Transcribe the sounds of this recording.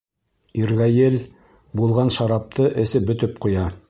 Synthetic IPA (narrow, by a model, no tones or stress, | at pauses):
iɾɣæjɘl | bulˠʁɑnʃɑɾɑp̚t̪ɤʔɘ̆sɘbɵ̆t̪ɵp̚qujɑ